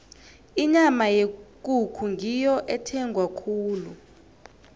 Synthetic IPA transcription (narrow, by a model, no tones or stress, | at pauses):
iɲamajek̬ʼukʰuŋɡʱijɔʔɛtʰɛŋɡʱwakʰuːlu